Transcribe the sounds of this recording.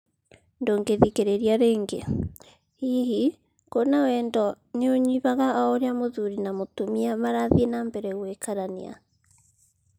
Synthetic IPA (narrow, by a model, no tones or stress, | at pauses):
ndoːŋɡeðikeɾeɾiaɾeːŋɡḛ | hiɦi | konawɛːndɔ | neoɲiβaɣaɔoɾeamoðuɾinamotomiamaɾaðienaːmbɛɾɛɣwekaɾanḭa̰